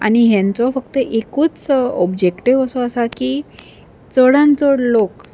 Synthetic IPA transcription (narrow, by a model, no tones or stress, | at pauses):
a̰ɽñiɦjãnt͡sɔfəkt̪əʔekuːt͡sɔbd͡ʑekʈiʋəsɔəsakiː | t͡səɽãnt͡sɔɽlok